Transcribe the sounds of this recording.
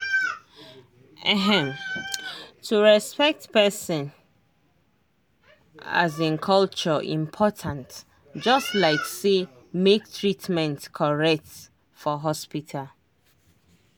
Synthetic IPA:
ɛɦɛ̃m | tʰuɹɛspɛk̚tpɛsɔ̃n | a̰zĩnkʰʌlt͡ʃəʔḭ̃mpʰɔtʰãnt | d͡ʒʌstlaɪkse | mek̚tʰɹitmɛ̃ntkʰɔɹɛk̚t | fɔɦɔspitʰal

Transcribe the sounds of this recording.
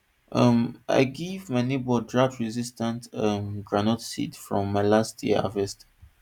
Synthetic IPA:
ʔʌma̰ɪɡivmanibɔdɹaftɹizistãntãmɡɹanɔtsḭtfɹɔ̃mːaɪlastʰjɛ̰a̰vɛst

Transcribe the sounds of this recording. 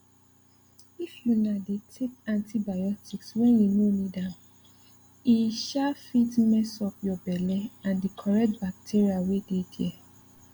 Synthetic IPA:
ifjunadetʰekãntʰibajɔtʰikswɛ̃njunonĩdãn | iʃafitmɛsɔpjɔbɛlɛãndikʰɔɹɛtbak̚tʰiɹiawededjɛ

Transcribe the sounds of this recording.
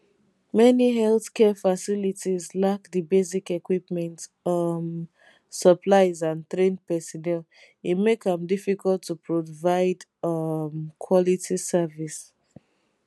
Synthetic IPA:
mɛniɦɛlθkʰɛfasilitizlakðibezikɛkwipmɛ̃ntʌm | səpʰlaɪzãnt̪ɹẽnpɛsɔnɛl | itmekə̃mdifikʰɔlˠtʰːupʰɹɔvaɪdʌmkʰwɔlitʰisɛvis

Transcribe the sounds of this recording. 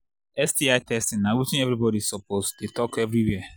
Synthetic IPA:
ɛsdiaɪtʰɛstĩnãwit͡ʃĩɛvɾibɔdisɔpʰosdetɔkɛvɹiwɛa

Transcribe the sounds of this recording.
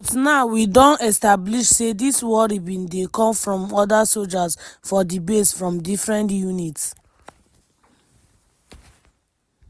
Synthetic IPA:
bɔtnaʊwidɔ̃nɛstabliʃsediswɔɾibĩndekɔ̃mfɹɔ̃mɔdasold͡ʒazfɔdibesfɹɔ̃mdifɹɛ̃ntjunits

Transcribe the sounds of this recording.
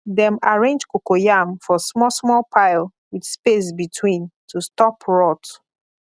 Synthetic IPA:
dɛ̃maɹẽnd͡ʒkokojamfɔsmɔsmɔlpʰaɪl | widspes̬bitʰwĩntʰustɔpɹɔt

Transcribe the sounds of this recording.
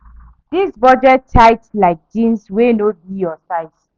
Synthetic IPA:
d̥isbɔd͡ʒɛttʰaɪtlaɪk̚d͡ʒĩnswenobijɔsaɪs

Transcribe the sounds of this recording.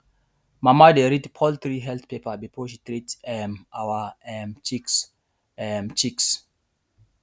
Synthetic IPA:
mamadeɾidpʰɔlt̪ɹiɦɛlθpepabifoʃitɹitɛmawaɛmt͡ʃik | ɛmt͡ʃiks

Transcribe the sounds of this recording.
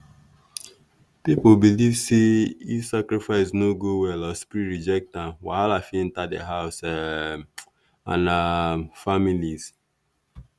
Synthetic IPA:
pipobilivseifsakɾifaɪsnoɡowɛlɔspɾiɹid͡ʒɛk̚tãmwa̰alafĩn̩tadḛɦaʊs | ã̰nafamiliz

